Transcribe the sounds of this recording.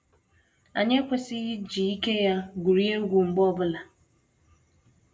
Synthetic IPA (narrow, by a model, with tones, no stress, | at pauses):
a̰˨ɲe˦kʷe˨sɪ˦ɣi˦d͡ʒi˨i˦ke˦ja˦ɡʷu˨ɾi˦e˦ɡʷu˨ŋ͡m̩˨ɡ͡bɔ˦bʊ˦la˨